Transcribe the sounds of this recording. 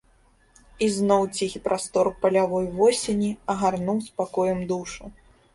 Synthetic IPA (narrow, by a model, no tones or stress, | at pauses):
iznɔwt͡sʲixʲipɾʔast̪ɔrpɐlʲavɔjvɔsʲenʲiɐɣarnuwspakɔjɛmd̪uʂu